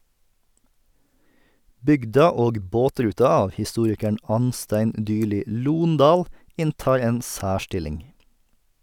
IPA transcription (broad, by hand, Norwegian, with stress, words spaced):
ˈbʏɡdɑ ˈoːɡ ˈboːˌtɾʉːtɑ ˈɑːʋ hɪˈstuːɾɪkəɳ ˈɑnˌstæɪn ˈʔdʏˌɭiː ˈluːnˌdɑːl ˈɪnˌtɑːɾ ˈeːn ˈsæːˌʃʈɪlɪŋ